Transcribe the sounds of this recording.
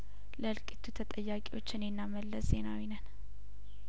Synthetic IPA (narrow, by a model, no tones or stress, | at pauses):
ləlkʼit̪ʰut̪ʰət̪ʼəjːakʼewo̞t͡ʃːɪnjɪnːaməlːəszenawinən